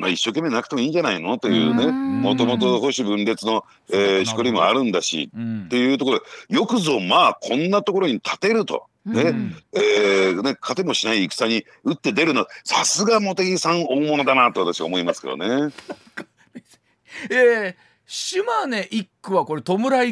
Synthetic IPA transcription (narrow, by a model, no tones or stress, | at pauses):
ma̰iɕːo̞ke̞mːe̞nak̟t̪emoiːɲd͡ʑanaino̞t̪e̞jɯ̟̰ːne̞mo̞t̪o̞mo̞t̪o̞hoɕibɯ̟̃nɾe̞t͡sɨno̞ | eːɕi̥koɾʲimo̞̰a̰ɾɯ̟̃nd̪aɕḭt̪ːe̞jɯ̟ːt̪okoɾod̪ejo̞kɯ̟zo̞maːkʰõ̞nːat̪o̞ko̞ɾo̞ɲ̟it̪ʰḁt̪e̞ɾɯ̟t̪o̞̰ | ne̞eːne̞kʰat̪e̞mo̞ɕinaiːkɯ̟̥saɲ̟i | ɯ̟t̪ːe̞d̪e̞ɾɯ̟nosasɨɡamo̞t̪eɡʲisãɰ̃o̞ːmo̞no̞d̪anat̪o̞βat̪aɕiβaomo̞imasɨ̥ke̞d̪o̰ne̞ | e | ɕɨmane̞ʔikːɯβako̞ɾet̪o̞mɯ̟ɾai